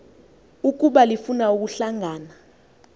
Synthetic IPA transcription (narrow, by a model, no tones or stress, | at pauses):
uk̬ʼuɓalifunauk̬uɬaŋaːna